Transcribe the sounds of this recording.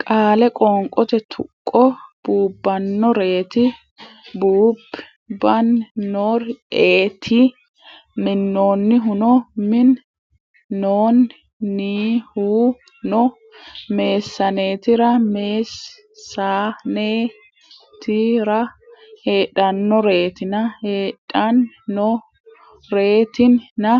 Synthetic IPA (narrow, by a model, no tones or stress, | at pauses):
kʼaːlɛkʼɔŋkʼɔt̪ɛt̪ʰʊkʼːɔb̥uːbːɐnːɔɾe̞ːt̪ɪ | buːb | bɐnːoːɾeːt̪ʰɪ | mɪnːoːnːɪɦʊnɔmɪnː | oːnː | iːhuː | nɔ | me̞ːsːɐneːt̪ɪɾɐmeːsː | aneː | t̪ɪɾɐheːᶑɐnːɔɾe̞ːt̪ɪnɐheːᶑɐnː | ɔ | ɾe̞ːt̪ɪnːɐ